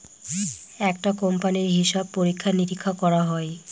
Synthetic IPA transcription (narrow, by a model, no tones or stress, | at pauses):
ɛk̚ʈakompaniɾɦiʃab̚poɾikʰːaniɾikʰːakɔɾaɦɔe